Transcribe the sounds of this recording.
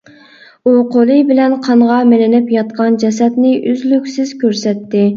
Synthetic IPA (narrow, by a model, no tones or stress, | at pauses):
uqʰolˠɨbɪlɛnqʰɑɴʁɑmɪlɪnɪpjɑt̪qɑnd͡ʒɛsɛt̪nɪʔyzlykʲsɪz̥kʲøɾsɛt̪ːɪ